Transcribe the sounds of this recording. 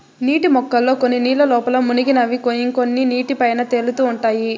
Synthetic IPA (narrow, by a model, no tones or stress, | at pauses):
niːʈimɔkːɐlːo̞ːkonːiniːlɐlɔːpɐlɐmuniɡinɐʋikojiŋko̞nːiniːʈipɐjnɐt̪elut̪uːɳʈaːji